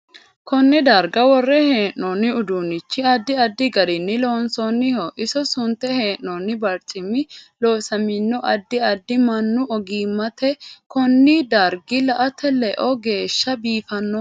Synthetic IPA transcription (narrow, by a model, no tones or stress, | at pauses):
kɔnːɛd̪ɐɾɡɐwɔrːɛheːʔːɔːnːɪʊd̪uːnɪt͡ʃːɪɐd̪ːɪɐd̪ːɪɡɐɾɪnːɪloːnsonːɪhɔʔɪsɔsʊnt̪ːɛheːʔnɔnːɪbɐɾt̪ʼɪmɪlo̞ːsɐmɪnːɔʔɐd̪ːɪɐd̪ːɪmɐnːʊɔɡiːmːɐt̪ɛkɔnːid̪ɐɾɡɪlɐʔɐt̪ʰɛlɛʔɔɡe̞ːʃːɐbiːfɐnːɔ